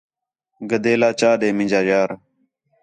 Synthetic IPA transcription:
ɡəd̪eːlaːt͡ʃaːɗeːmɪ̃d͡ʒaːjaːɾ

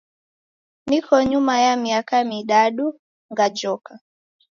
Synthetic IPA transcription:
nikʰɔɲumajamiakamiɗaɗu | ŋɡad͡ʒɔka

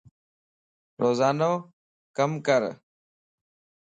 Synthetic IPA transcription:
ɾoːzaːnoː | kəmkəɾ

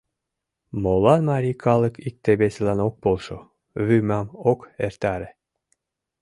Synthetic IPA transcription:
molˠɑnmɑɾʲikʰɑlˠɤ̆kik̚t̪ebesɘ̆lɑnok̚polˠʃo | βymɑmokert̪ɑɾĕ

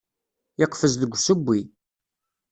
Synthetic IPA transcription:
ɪqfəzðəɡʷːsəbʷːi

